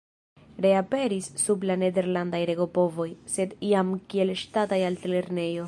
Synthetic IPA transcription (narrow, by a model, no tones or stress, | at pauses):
ɾe̞ape̞ɾisːublane̞de̞ɾlandajɾe̞ɡo̞po̞vo̞jse̞diamkie̞lʃtatajaltele̞ɾne̞jo̞